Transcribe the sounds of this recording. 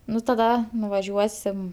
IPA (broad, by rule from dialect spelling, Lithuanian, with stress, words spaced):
ˈnʊ tɐˈdɐ nʊʋɐˈʒʲuɔsʲɪm